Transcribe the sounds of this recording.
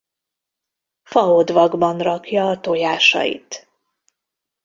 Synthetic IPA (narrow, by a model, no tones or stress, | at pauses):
fɒod̪vɒɡbɒnrɒkjɒːt̪ojaːʃɒ̰jḭt̪